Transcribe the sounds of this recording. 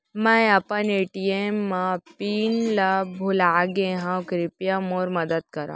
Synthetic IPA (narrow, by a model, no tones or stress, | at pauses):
mãjapaneʈiemːapinlabʱulaɡẽɦãwkɾipjamoɾməd̪ət̪kəɾã̰